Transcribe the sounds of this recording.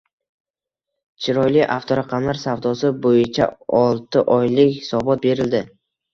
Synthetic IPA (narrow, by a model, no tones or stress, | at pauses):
t͡ʃʰɪɾɒjlɪʔaft̪ʰoɾaqʰɑmlaɾsavd̪ɒsɪbojɪt͡ʃʰa̰ɒlˠt̪ɪʔɒjlɪkʲhɪ̥sɒbɒt̪̚be̞ɾɪld̪ɪ